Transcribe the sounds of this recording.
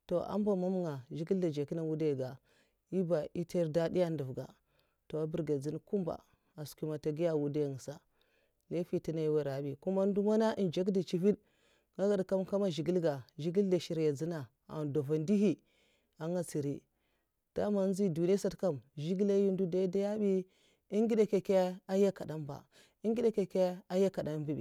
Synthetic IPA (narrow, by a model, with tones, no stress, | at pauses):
to˨a̰˦mba˦˨ma˦m˦ŋa˨ʒi˦ɡi˦lda˨d͡ʒa˨ki˦na˨wu˦da˦˨ɡa˨ | i˦ba˨ʔi˦te˦ɾda˦di˦ja˦ndu˨vɡa̰˨ | to˨a˨bi˦˨ɾɡa˨d͡zi˦n˦ku˦mba̰˨ | a˨sku˦ma˨ta˨ɡi˦ja˦˨wu˦da˦˨ŋ˨sa˨ | le˦fi˦ti˦na˨i˦wa˦ɾa˨˦bi˨ku˦ma˦n˦du˦ma˦na˦ʔi˨nd͡ʒa˦k̬di˨t͡ʃi˦fi˦d | ŋa˦ɡa˨dka˦mka˦ma˦ʒi˨ɡi˦lɡa˨ʒi˦ɡi˦lda˨ʃi˨ɾja˨d͡zi˦na˨ | a̰˨ndo˨va˨ndi˦ɦi˦ | a˨ŋɡa˨t͡si˨ɾi˦ | d̥a˦ma˨˦n˦zi˦du˨ni˦a˦sa˦tka˦˨mʒi˦ɡi˦la˦ji˦n˦du˦da˦da˦ja˦bi˦ | i˦ŋɡi˦da˦ke˨ke˦a˦ja˦ka˨da˦mba̰˨ | i˦ŋɡi˦da˦ke˨ke˦a˦ja˦ka˨da˨˦mbi˦bḭ˨